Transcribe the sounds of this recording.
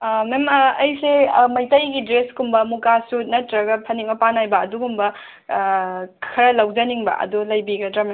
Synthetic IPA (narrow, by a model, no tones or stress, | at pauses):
memɐɐjsemɐjtɐjɡidɾeskumbɐmukasunɐtɾɐɡɐpʰɐniŋbɐpanajbɐɐduɡumbɐ | kʰɐɾɐlɐwd͡ʒɐniŋbɐ̰ʔɐ̰dulɐjbiɡɐdɾam